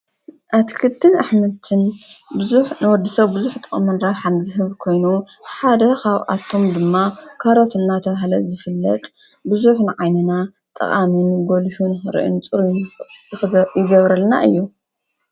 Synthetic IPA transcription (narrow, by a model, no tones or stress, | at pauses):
ʔat̪ʰkʰɨt̪ʰːɨnaħmɐt̪ʰɨnbɨzuħnɨwɔd̪ɨsɐβbɨzuħt̪ʼɨχʼmunɾaβħanzɨɦɨβkʰo̞jnu | ħad̪ɐkaβʔa̰t̪ʰːo̞md̪ɨmːakʰaɾo̞t̪ʰɨnːat̪ʰɐβaɦlɐzɨfɨlːɐt̪ʼ | bɨzuħnɨʕajnɐna | t̪ʼɐ̰χʼaminɡolʃunɨxɨɾ̰ʔɨ̰nt͡sʼɨɾujnzɨxɨjɪɡɐβɾɐlna̰ʔɨ̰jːu